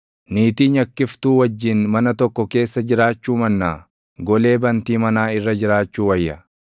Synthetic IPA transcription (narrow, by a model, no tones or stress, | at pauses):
niːt̪iːɲɐkːɪft̪uːwɐd͡ʒːɪnmɐnɐt̪ɔkːɔke̞ːsːɐd͡ʒɪɾaːt͡ʃːuːmɐnːaː | ɡɔle̞ːbɐnt̪iːmɐnaːɪrːɐd͡ʒɪɾaːt͡ʃːuːwɐjːɐ